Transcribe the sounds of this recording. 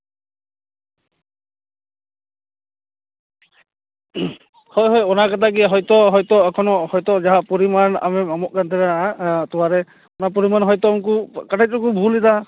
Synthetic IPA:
hɔjɦɔjɔnakat̪ʰakiɦɔjtɔɦɔjtɔakʰɔnɔhɔjtɔzaɦapɔɹimana̰mɛmamɔʔkant̪ʰɛɾaatɔwaɾɛ | ɔnap̬ɔɹimanɦɔjtɔkukatʰaɔkubʱulita

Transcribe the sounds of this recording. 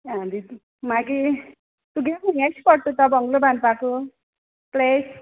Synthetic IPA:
ãd̪it̪ | maɡi | t̪uɡemeŋajsʰpʌɽt̪ut̪ʌbʱʌŋɡlobanpako | ples

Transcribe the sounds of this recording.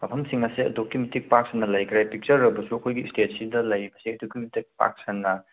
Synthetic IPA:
mɐpʰɐmsiŋnɐsiɐ̰dokːimitik̚pak̚sɐnːɐlɐjkʰɾajpik̚t͡ʃɐɾːɐbɐsuɐkʰojɡistet̚sidɐlɐjbɐsiɐdokːimitik̚pa̰k̚sɐnːɐ

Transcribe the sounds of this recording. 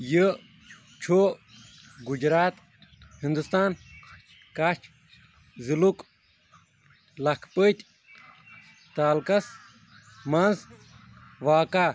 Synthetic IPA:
jə | t͡ʃʰoː | ɡud͡ʒɾaːt̪ | hind̪ust̪aːn | kat͡ʃʰ | ziluk | lɐkʰpət̪ʲ | t̪aːlkɐs | mɐnz | ʋaːkaː

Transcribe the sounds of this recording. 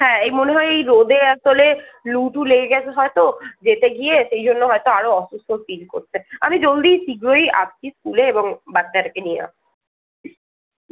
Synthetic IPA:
ɦɛ̃ejmoneɦɔeejɾod̪eɛk̚t̪oleluʈʰuleɡeɡɛt͡ɕʰeɦɔet̪od͡ʑet̪eɡieʃejd͡ʑʱonːoɦɔet̪oaɾoɔʃust̪ʰofilko̰ɾt͡ɕʰea̰mid͡ʑold̪isiɡɾoia̰p̚t͡ɕʰiskuleeboŋbad̪aɾekenijḛna̰

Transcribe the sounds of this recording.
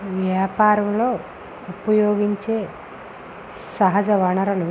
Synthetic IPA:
ʋjaːpaːɾɐmlo̞ː | upɐjoːɡiɲt͡ʃeː | sɐɦɐd͡ʒɐʋɐɳɐɾɐlu

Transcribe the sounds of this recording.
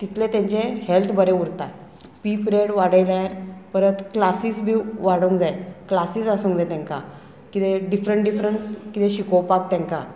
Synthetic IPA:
t̪it̪let̪ãɲt͡ɕehelt̪ʰbəɾeuɽt̪aj | pipɾeɽʋaɽəjlaɾpəɾət̪klasiːsbʱiːʋaɽũŋkd͡zajklasiːsasũːŋkd͡zajt̪ãŋka̰ | kit̪eɖifɾəɳʈ̚ɖifɾəɳʈkit̪ẽɕikowpak̚t̪jãŋka̰

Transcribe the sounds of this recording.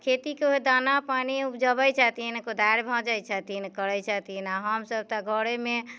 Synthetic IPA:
kʰet̪ikeoed̪anapaniupd͡ʒəbət͡ʃʰat̪inkod̪ʱajɾbʱɔ̃d͡ʒajt͡ʃʰət̪inkəɾɛjt͡ʃʰət̪inaɦəmsəb̚t̪əɡʱəɽeme

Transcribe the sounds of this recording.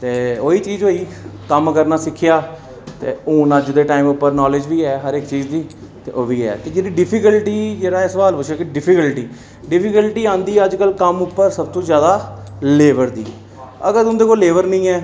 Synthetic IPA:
t̪eːoːiːt͡ʃiːzɦoːiːkəmkəɾnaːsɪkʰːɪjaː | t̪ḛːũːnad͡ʒd̪eːʈaːimʊpːəɾnɔːlɪd͡ʒʋiːɛːɦəɾɪkt͡ʃiːd͡ʒd̪iːt̪ḛːʔoːʋiːɛ̰ːt̪eːd͡ʒeːdiːɖɪpʰɪkəlʈiːd͡ʒeːɾaːɛːsəʋaːlpʊt͡ʃʰʃʰeːkɪɖɪpʰɪkəlʈiː | ɖɪpʰɪkəlʈiːãːnd̪iːəd͡ʒkəlkəmʊpːəɾsəbt̪õːzjaːd̪aːleːʋəɾd̪ḭː | əɡəɾʊ̃nd̪eːkoːleːʋəɾnəĩːɛː

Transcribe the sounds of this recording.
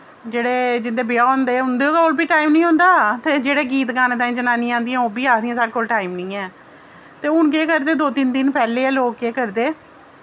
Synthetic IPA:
d͡ʒeːɽeːd͡ʒɪnd̪eːbɪjaːʊnd̪eːʊnd̪eːoːkoːlbiːʈaːimnĩːɦʊ̃nd̪aːt̪eːd͡ʒeːɽeːɡiːt̪ɡaːneːt̪ãːĩːd͡ʒənaːniːãːnd̪ijãːoːbiːaːd̪ĩːãːsaːɽeːkoːlʈaːimnĩːɛ̃ː | t̪eːʊɳkeːkəɾd̪eːd̪oːt̪ind̪ɪnpɛːleːɛːloːkːeːkəɾd̪eː

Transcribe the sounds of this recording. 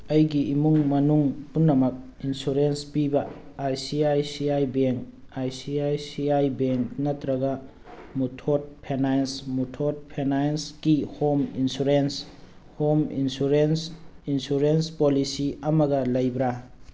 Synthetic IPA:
ɐjɡiimuŋmɐnuŋpunːɐmɐk̚ | insuɾenspibɐajsiajsiajbeŋkajsiajsiajbeŋknɐtɾɐɡɐ | mutʰot̚pʰenajnsmutʰot̚pʰenajnskihominsuɾens | homḭnsuɾensinsuɾenspolisiɐmɐɡɐlɐjbɾa

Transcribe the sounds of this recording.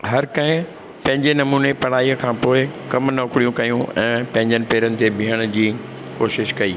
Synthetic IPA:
ɦɐɾkɐɦɪ̃ | pɐ̃ɦɪ̃ɲd͡ʑenɐmuːnepɐɽ̤aːiːjəkʰãːpoːɪkɐmnɐʊkɽijũkɐjũʔɛ̃ːpɐ̃ɦɪ̃ɲd͡ʑənɪ̆peːɾənɪ̆t̪ʰebʱiːəɽ̃ʊ̆d͡ʑiː | koːʃɪʃkɐiː

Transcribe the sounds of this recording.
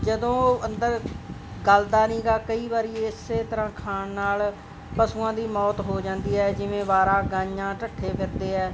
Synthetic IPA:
d͡ʒəd̪õːənd̪əɾɡəld̪aːnĩːɡaːkəiːʋaːɾiːɪsːeːt̪əɾãːkʰaːɳnaːl | pəsuːãːd̪iːmɔːt̪ɦoːd͡ʒãːnd̪iːɦɛːd͡ʒɪʋẽːbaːɾaːɡãːɲãːʈəʈʰːeːpʰɪɾd̪eːɦɛː

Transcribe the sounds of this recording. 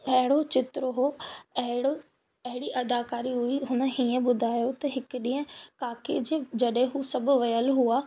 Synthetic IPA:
ɐɦɪɽot͡ɕɪt̪ɾəɦoɐɦɪɽo | ɐɦɪɽiʔɐd̪aːkaːɾiɦʊiɦʊnəɦiːẽɓʊd̪ʱaːjot̪ɐɦɪkɗĩːə̃kaːked͡ʑed͡ʑɐɗɦẽɦusɐbʱʋɐjəlɦuaː

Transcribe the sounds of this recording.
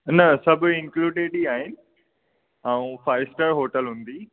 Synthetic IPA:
nɐsɐbʱɪ̃ŋkluːɖeːɖiaːɦɪnɪ̆ | ɛũfaːɪsʈəɾɦoːʈəlɦʊ̃ːnd̪iː

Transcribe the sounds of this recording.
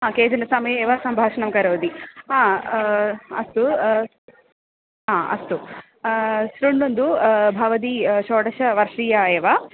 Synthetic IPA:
ɦaːkeːd͡ʒ̪ɐnɐsɐmɐjɐeːʋasɐmbʱaːʂɐɳɐmkɐɾoːd̪iaː | ɐ̰st̪u | ɦaːɐ̰st̪u | sɾuɳːund̪ubʱɐʋɐd̪iʃoːʈɐʃɐʋɐɾʂɾiːjaːeːʋa

